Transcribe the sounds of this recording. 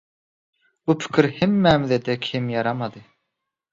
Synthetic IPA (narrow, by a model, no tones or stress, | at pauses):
upʰi̥kʲʰiɾhemːæmðed̪ɛkʲʰimjɑɾɑmɑd̪ɨ